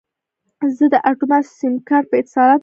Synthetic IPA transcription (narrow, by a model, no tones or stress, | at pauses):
zəd̪əʔaʈumasimkaɾpəɪt̪ɪsɑɾɑt̪